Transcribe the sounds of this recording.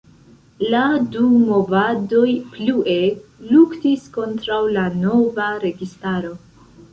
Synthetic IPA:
ladumo̞vado̞jpluʔe̞luktisko̞ntɾawlano̞vaɾe̞ɡistaɾo̞

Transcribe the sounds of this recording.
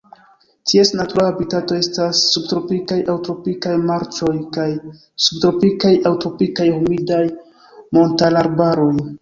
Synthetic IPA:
tʰie̞snatuɾaabitato̞e̞stasːub̚tɾo̞pikajawtɾo̞pikajmaɾt͡ʃo̞jkaj | subtɾo̞pikajawtɾo̞pikajhumidaj | mo̞ntalaɾbaɾo̞j

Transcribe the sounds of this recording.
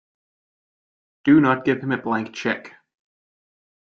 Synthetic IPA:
d̥ɨnət̚ɡ̥ɪv̥ɨ̃mɨblæ̃ŋk̚t͡ʃʰɛk

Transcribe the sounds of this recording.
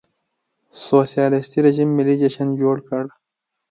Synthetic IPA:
soːsijɑːlist̪iɾeʒimːɪlːid͡ʒaʃand͡ʒoːɽkəɽ

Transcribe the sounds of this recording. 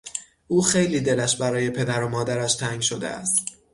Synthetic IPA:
ʔuːxe̞jliːd̪e̞læʃbæɾɒːje̞pʰe̞d̪æɾo̞mɒːd̪æɾæʃt̪ʰæŋɟʃo̞d̪ḛæ̰st̪

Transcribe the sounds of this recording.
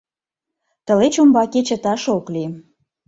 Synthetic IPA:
t̪ə̆let͡ɕumbɑket͡ɕə̆t̪ɑʃokli

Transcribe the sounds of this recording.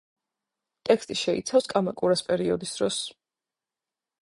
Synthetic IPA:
t̪ʼɛkʰst̪ʼiʃɛḭt̪sʰafskʼamakʼuɾaspʼɛɾiɔd̪isd̪ɾɔs

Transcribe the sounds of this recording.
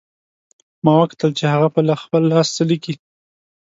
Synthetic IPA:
mɑwakt̪əlt͡ʃehaɣapəlaxpəlːɑst͡saliki

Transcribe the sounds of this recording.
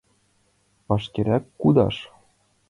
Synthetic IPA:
pɑʃkeɾʲækːud̪ɑ̰ʂ

